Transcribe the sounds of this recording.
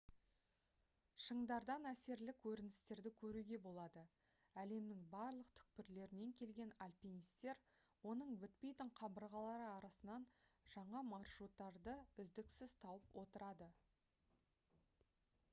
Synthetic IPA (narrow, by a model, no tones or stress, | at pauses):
ʃəɴd̪ɑɾd̪ɑnæse̞ɾlɪkʲʰɵɾɪnɪst̪e̞ɾd̪ɪkʲʰɵɾuɡʲe̞bo̞lˠɑd̪ə | æle̞mnɪŋbɑɾlˠəqt̪ʰʏ̥k̚pɪɾle̞ɾɪne̞ŋkʲʰe̞lɡʲe̞nalʲpʲinijst̪e̞ɾ | wo̞nəɴbɪt̪̚pe̞jt̪ɪɴqʰɑbəɾʁɑlˠɑɾəɑɾɑsənɑnʒ̥ɑɴɑmɑrʃɾut̪ːɑɾd̪əʏzd̪ɪksɪz̥t̪ʰɑwəpwo̞t̪əɾɑd̪ə